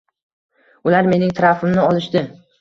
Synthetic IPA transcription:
ʊlaɾme̞nɪŋt̪ʰɾafɪmnɪɒlɪʃd̪ɪ

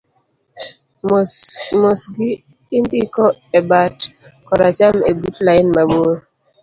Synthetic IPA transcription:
mosɡi | indikɔɛbatkɔɾat͡ʃamebutlajnmaɓoɾ

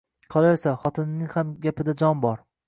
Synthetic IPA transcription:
qʰɒlˠajsaχɒt̪ʰɪnːɪŋhamɡʲapɪd̪ad͡ʒɒnbɒɾ

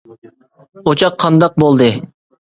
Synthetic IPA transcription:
ot͡ʃʰɑqʰːɑnd̪ɑq̚bolˠd̪ɨ

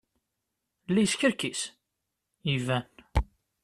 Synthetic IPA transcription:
lːijsçəɾkis | ivæn

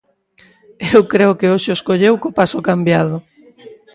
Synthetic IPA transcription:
ewkɾeʊkɪoʃɪoskoʎewkopasʊkambjað̞ʊ

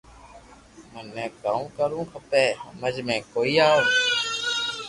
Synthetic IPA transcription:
mənːẽːkaːmːkəɾũːkʰəpeːɦəməd͡ʒmẽːkoːiːaː

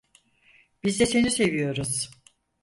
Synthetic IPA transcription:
b̥izd̪ɛse̞nise̞vijo̞ɾuz̥

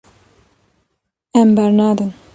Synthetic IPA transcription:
ɛmbɛɾnɑːd̪ɨn

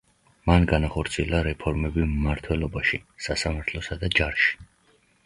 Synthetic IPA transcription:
manɡanaχɔɾt̪sʰiɛlˠaɾɛpʰɔɾmɛbimmaɾt̪ʰwɛlˠɔbaʃisasamaɾt̪ʰlˠɔsad̪ad͡ʒaɾʃi̥

